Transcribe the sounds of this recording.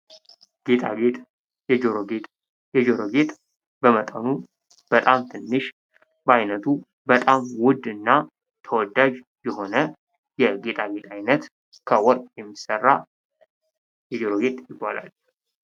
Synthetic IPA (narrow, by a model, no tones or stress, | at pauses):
ɡ̥et̪ʰʼa̰bet̪ʼ | d͡ʒɡet̪ʼ | jɛd͡ʒoɾoɡe̞t̪ʼ | bəmət̪ʼənu | b̥ət̪ʼamt̪ʰɨnːɨʃ | bəajnət̪ʰu | bət̪ʼamwʊd̪ɨnːa | t̪ʰəwɔd̪ad͡ʒ | jɛho̞nə | jɛɡe̞t̪ʼaɡe̞t̪ʼajnət̪ | kʰəwɔɾʼjɛmːisərːa | jɛd͡ʒoɾoɡe̞t̪ʼjɪbːala̰l